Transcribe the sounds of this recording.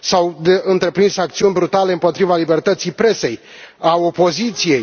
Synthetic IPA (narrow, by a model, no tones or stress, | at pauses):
sawd̪e̞ɨnt̪ɾe̞pɾinsak̚t̪siunʲbɾut̪ale̞ɨmpo̞t̪ɾivalibe̞rt̪ət̪sijpɾe̞se̞j | ao̞po̞zit̪sije̞j